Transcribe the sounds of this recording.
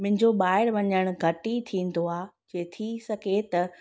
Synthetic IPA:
mɪ̃ɦɪ̃ɲd͡ʑoɓaːɪɾʋɐɲəɽ̃ɡʱɐʈit̪ʰĩːn̆d̪oaːd͡ʑeːt̪ʰisɐɡʱet̪ɐ

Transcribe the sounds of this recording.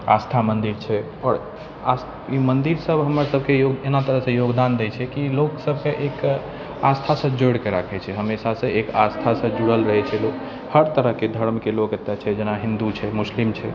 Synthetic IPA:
a̰st̪ʰamənd̪iɾt͡ʃʰɛ | ɔːɾ | as | imənd̪iɾsəbɦəməɾsəbʱkejoɡenat̪əɾəɦsə̃joɡd̪and̪ɛt͡ʃʰɛkiloksəb̚ʱkeʔek | ast̪ʰasə̃d͡ʒoɽkeɾakʰɛt͡ʃʰɛɦəmesasə̃ʔekast̪ʰasə̃d͡ʒuɽəlɾəɦɛt͡ʃʰɛlok | həɾt̪əɾəɦked̪ʱəɾmkelokət̪ːjat͡ʃʰɛd͡ʒenaɦind̪ut͡ʃʰɛmuslimt͡ʃʰɛ

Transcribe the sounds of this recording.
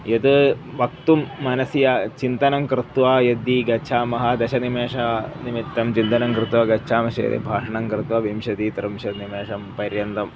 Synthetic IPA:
jet̪ɨ | ʋɐk̚t̪umːɐnɐsijɐt͡ʃint̪ɐnɐmkɾɨt̪ʋaːjɐd̪iɡɐt͡ʃʰaːmɐɦɐd̪ɐʃɐnimeːʂɐnimit̪ːɐmt͡ʃint̪ɐnɐmkɾɨt̪ʋɐɡɐːʃʰaːmɐʃɐjɐ̰d̪ḭbʱaːʂɐɳɐmkɾɨt̪ʋɐʋimʃɐt̪it̪ɐɾumʃɐnimeːʂɐmpɐɾjɐnt̪ɐm

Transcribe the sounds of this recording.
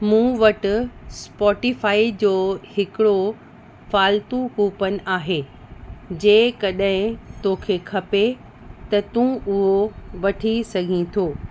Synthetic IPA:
mũːʋɐʈɪ̆spɔːʈɪfaːid͡ʑoːhɪkɪɽo | faːlt̪ukuːpənɪ̆ʔaːɦeː | d͡ʑeːkɐɗɦɪ̃t̪oːkʰekʰɐpe | t̪ɐt̪ũːʊɦoʋɐʈʰisɐɡʱĩt̪ʰoː

